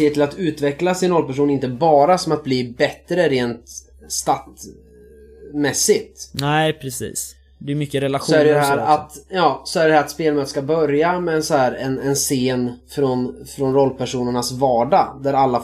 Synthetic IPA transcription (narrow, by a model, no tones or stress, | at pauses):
eːət̪ʰɪlat̪ʉ̟ːt̪vɛklasɪnɾɔlpæʂ̬uːnɪnt̪əbɑːɾasɔmat̪̚bliːbɛt̪ːɾəɾeːnt̪ | st̪at̪ | mɛsːɪt̪nɛɪpʰɾɛsḭːs | d̪ɛɾmʏkːəɾɛlaɧsɔæɖɛjd̪ɛɦæːɾat̪jɑːsɔæɖɛɖ̪ɛhæɾat̪speːlmœːt̪əʂkabœɾjamɛɛnsɔhæːɾɛnɛnseːnfɾɔnfɾɔnɾɔlːpæʂuːnəɳasvɑːɖad̪æɾalːa